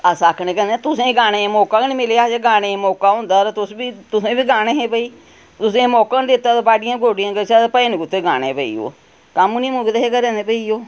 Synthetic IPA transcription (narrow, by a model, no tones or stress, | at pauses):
əsaːkʰnẽːkɛ̃ːnd̪ẽːt̪ʊsẽːɡaːnẽːmoːkaːkːnĩmɪleaːd͡ʒeːɡaːnẽːmoːkaːɦʊ̃nd̪aːɾt̪ʊsbiːt̪ʊsẽːbiːɡaːnẽːɦẽːpəiː | t̪ʊsẽːmoːkãːnd̪ɪt̪ːaːt̪ːbaːɖɪjãːɡoːɖijãːkəsaːpəiːniːkʊt̪ːeːɡaːɽḛ̃ːpəḭːo̰ː | kamniːmuːkːd̪eɦeːkəɾẽːneːpəiːoː